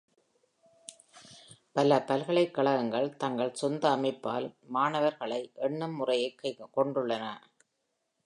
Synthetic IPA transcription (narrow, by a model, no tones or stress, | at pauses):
pɐlɐpɐlɣɐɭɐɪkːɐɭɐɣɐŋɡɐɭt̪ɐŋɡɐɭsɔnd̪ɐːmɐɪpːa̰ːlmaːnɐʋɐɾɣɐɭɐɪʔɛɳːɐmːʊrɐjɐɪkːɐɪkːɔɳɖʊɭːɐnɐ